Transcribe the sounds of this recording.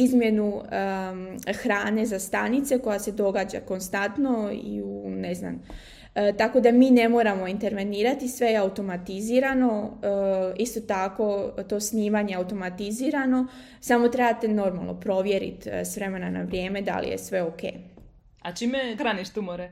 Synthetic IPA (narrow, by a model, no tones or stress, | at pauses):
izmje̞nuə | xɾaːne̞zast̪anit̪se̞ko̞jase̞d̪o̞ɡaːd͡ʑa̰ko̞nst̪ant̪no̞ḭunezna̰m | t̪ako̞d̪amiːne̞mo̞ːɾamo̞int̪e̞ɾʋe̞niːɾat̪isʋe̞jeaut̪o̞mat̪iziːɾano̞ | ist̪o̞t̪ako̞t̪o̞ːsniːʋaɲe̞aut̪o̞mat̪iziːɾano̞ | samo̞t̪ɾebat̪eno̞ɾma̰lˠno̞̰pɾo̞ʋje̞ɾḭt̪sʋɾe̞menana̰ʋɾje̞ːme̞d̪a̰lḭjḛsʋe̞oke̞̰ːj | at͡ʃiːmexɾaniʃt̪umoɾe